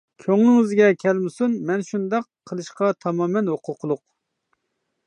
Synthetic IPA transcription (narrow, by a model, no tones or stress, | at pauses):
kʲʰøŋnɪŋyzɪɡʲɛkʲʰɛlmɪsunmɛnʃund̪ɑqʰːəlˠɨʃqɑt̪ʰɑmɑːmɛnhoqʰʊqʰlˠʊq